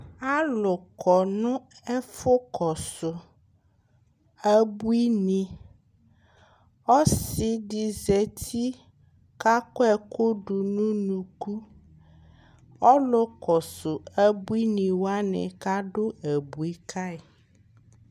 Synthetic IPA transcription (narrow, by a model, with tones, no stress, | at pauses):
a˦lo˨kʰɔ˨nũ˦e˦fo˦kʰɔ˨so˨ | e˦bu˦i˦nĩ˨ | ɔ˦si˨ɖi˨ze˨t̪ʰi˦ | ka˦kɔ˦ɛ˨ko˦ɖu˨nũ˦nũ˨ku˦ | ɔ˦lo˦kɔ˨so˨e˦bu˦i˦nĩ˨wo˦a˦nɛ̰̃˨ka˦ɖo˦e˨bu˨i˦kʰa˦e˨